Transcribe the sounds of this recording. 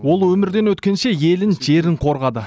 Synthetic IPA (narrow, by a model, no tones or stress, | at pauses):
wo̞lˠwɵmɪɾd̪e̞nwɵt̪kʲe̞nʃe̞je̞lɪnʒe̞ɾɪɴqʰo̞ɾʁɑd̪ə